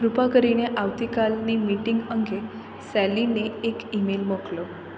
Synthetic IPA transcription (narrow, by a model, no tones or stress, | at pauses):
ɡɾupakəɾineʔaʋt̪ikalnimiʈiŋɡəŋɡe | sɛlineːkimelmoklo